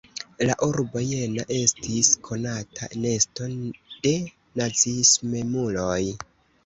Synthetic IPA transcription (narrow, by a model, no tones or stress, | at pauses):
laʔuɾboje̞naʔe̞stʰiskʰo̞natʰa̰ne̞sto̞d̥e̞ | nazismemuloj